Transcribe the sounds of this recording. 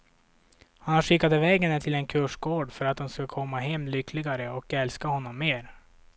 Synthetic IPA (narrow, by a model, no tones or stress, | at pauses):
hanhaʂɪkːad̪əvɛːɡɛnət̪ʰɪlɛnkʰɵʂɡoːɖfœɾat̪̚d̪ʊnskakʰɔmːaɦɛmːlʏkʰːlɪɡaɾəɔkɛlskahɔnːɔmːeːɾ